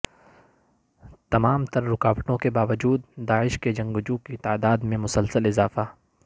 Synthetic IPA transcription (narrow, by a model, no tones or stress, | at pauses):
t̪ɐmaːmt̪ɐɾːʊkaːʋəʈõkebaːʋəd͡ʒuːd̪̚ːaːɪʃked͡ʒɐ̃ŋɡʊd͡ʒukit̪aːd̪aːd̪mẽmʊsəlsəlɪzaːfaː